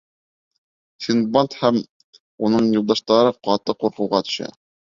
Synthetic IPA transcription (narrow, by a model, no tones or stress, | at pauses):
sinbant̪hæm | unɤɴjulˠd̪ɑʃt̪ɑɾɤqɑt̪ɤqːuɾqɤ̆wʁɑt̪ɵ̥̆ʃæ̰